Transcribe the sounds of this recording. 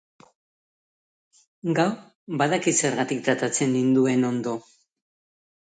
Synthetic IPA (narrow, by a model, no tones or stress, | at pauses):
ɡaw | baðakise̞ɾɣat̪ikt̪at̪at͡se̞nːind̪ue̞no̞nd̪o̞